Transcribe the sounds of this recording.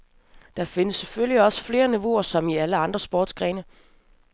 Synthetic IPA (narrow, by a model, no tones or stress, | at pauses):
d̥ɑ̈fe̝nəsːefølljiɒ̽sə̥fle̝ːɐniʋo̝ɐsɒ̽miæləɑ̈nd̥ʁɐsb̥ɒːd̥sɡ̥ʁɛːnə